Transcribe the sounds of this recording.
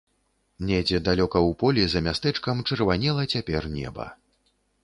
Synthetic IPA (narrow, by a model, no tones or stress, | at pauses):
nʲɛd͡zʲɛd̪alʲɔkɐwpɔlʲizɐmʲast̪ɛt͡ʂkɐmt͡ʂɨrvanʲɛlˠɐt͡sʲapʲɛrnʲɛ̰bɐ̰